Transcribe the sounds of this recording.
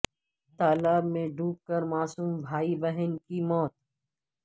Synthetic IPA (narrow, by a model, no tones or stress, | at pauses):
t̪aːlaːbmẽɖʱuːp̚kəɾmaːsuːmbʱaːibəɦənkimɔːt̪